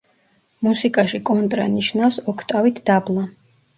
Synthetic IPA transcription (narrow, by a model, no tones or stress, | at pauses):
musikʼaʃikʼɔnt̪ʼɾa̰niʃnafsɔkʰt̪ʼavit̪ʰd̪̥ablˠa